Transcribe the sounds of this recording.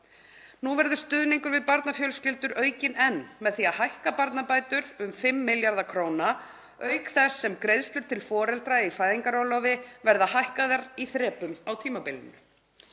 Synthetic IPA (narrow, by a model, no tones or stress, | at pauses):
nuvɛɾðʏst̪ʏðniŋkʏɾvɪðpaɾt̪nafjœlscɪlt̪ʏɾœːɥcɪnɛnːmɛðθiaðhajhkapaɾt̪napajt̪ʏɾʏmfɪmːɪljaɾðakʰɾoːwna | œɥkθɛsːɛmkɾejðst̪lʏɾt̪ʰɪlfɔːɾɛlt̪ɾaifaːjðiŋkaɾowlɔwvɪvɛɾðahajhkaðaɾiθɾɛːpʏmawt̪ʰiːmapɪlɪ̰nʏ